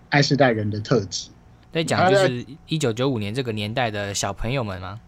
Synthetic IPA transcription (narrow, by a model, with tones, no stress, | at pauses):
a˥˧ɪʂɻ̩˥˧t̪a˥˩ɪɻə˨˦nd̪ə˨t̪ʰɤ˥˧t͡ɕi̥˨˦ | t͡sa˥˩ɪt͡ɕjo˧ʂɻ̩˥˩i˥t͡ɕjo˧ʊt͡ɕjo˧˦ʊu˨˩njɛ˧˦nʈ͡ʂɤ˥˩ɡə˩njɛ˧˥nt̪a˥˩ɪd̪ə˩ɕɑ˨˩ʊpʰə˧˥ŋjo˨˧ʊmə˨nma̰˨